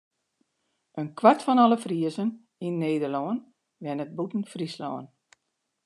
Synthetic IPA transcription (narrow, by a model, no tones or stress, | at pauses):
ʔənkʰwartfɔnɔləfriəzən | inːeːdərlɔən | ʋɛnət̚butn̩frislɔ̰ːən